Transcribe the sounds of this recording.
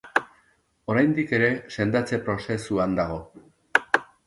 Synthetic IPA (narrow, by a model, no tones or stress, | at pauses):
o̞ɾajnd̪ike̞ɾe̞se̞nd̪at͡se̞pɾo̞se̞suand̪aɣ̞o̞